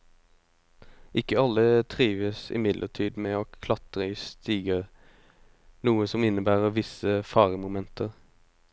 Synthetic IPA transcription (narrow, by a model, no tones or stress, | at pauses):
ʔɪkːəɑlːət̪ʰʁiːʋəsɪ̰mɪd̪lʔə̰ʈʰiːd̪meːoːkʰlɑt̪ʁəɪst̪iːɡə | nuːəsɔmɪnəbæːʁəʋɪsəfɑːʁəmʊmɛnt̪ʰəʁ